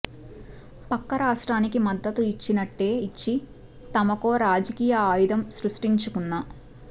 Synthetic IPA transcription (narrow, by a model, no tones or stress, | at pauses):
pɐkːɐɾaːʂʈɾaːnikimɐd̪ːɐt̪uit͡ʃːinɐʈːe̞ːit͡ʃːi | t̪ɐmɐkoːɾaːd͡ʒɐkiːjɐaːjid̪ɐmsɾuʂʈiɲt͡ʃukunːa